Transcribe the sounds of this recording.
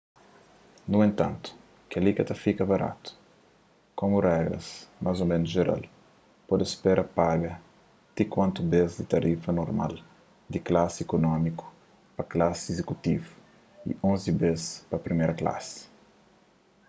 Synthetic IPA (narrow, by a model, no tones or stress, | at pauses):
nuẽnt̪ɐ̰̃nt̪u̥ | kɐlikɐt̪ɐfikɐbɐɾa̰t̪u̥ | komurɛɡɾɐ̰smʔazomẽnuzʒeɾa̰l | pɔd̪espɛɾʔɐpaɡɐ | t̪ikwɐ̃nt̪ubezd̪it̪ɐɾifɐnoɾma̰l | d̪iklasekonɔmiku̥ | pɐklasezekut̪ivu | ḭõnzibespɐpɾimeɾɐkla̰sɪ̥